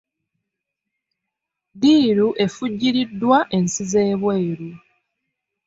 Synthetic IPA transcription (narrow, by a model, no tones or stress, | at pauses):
diːɾuʔe̞fuɟːiɾidːwaʔe̞nsize̞ːβwe̞ːɾu